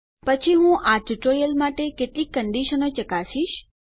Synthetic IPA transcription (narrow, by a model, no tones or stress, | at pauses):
pət͡ʃʰiɦũʔaʈuʈoɾijəlmaʈekeʈlikːəɳɖiʃənot͡ʃəkasiʃ